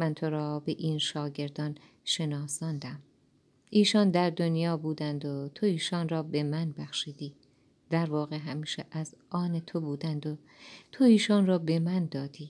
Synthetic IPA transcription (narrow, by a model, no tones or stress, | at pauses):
mænt̪ʰo̞ɾɒːbe̞ʔiːnʃɒːɟe̞ɾd̪ɒːn | ʃe̞nɒːsɒːnd̪æm | ʔiːʃɒːnd̪æɾd̪o̞njɒːbuːd̪ænd̪ot̪ʰoiːʃɒːnrɒːbe̞mænbæxʃiːd̪iː | d̪̥æɾvɒːɣeɦæmiːʃeʔæzʔɒːnet̪ʰobuːd̪ænd̪o | t̪ʰoiːʃɒːnrɒːbe̞mænd̪ɒːd̪̥iː